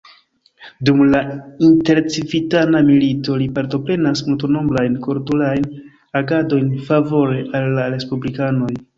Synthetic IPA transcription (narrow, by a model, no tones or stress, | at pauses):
dumlainte̞ɾt͡sivitanamilito̞lipaɾto̞pɾe̞nasmultono̞mblajnko̞ɾtulajn | aɡado̞jnfavo̞ɾe̞ʔalːaɾe̞spublikano̞j